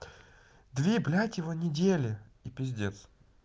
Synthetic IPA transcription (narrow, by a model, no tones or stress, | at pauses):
d̪vʲeblʲatʲjɪvonʲɪdʲelʲɪipʲɪzʲdʲet̪s